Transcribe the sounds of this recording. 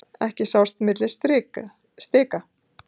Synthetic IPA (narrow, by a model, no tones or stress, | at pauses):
ɛhcɪsawst̪mɪt̪lɪst̪ɾɪ | st̪ɪːka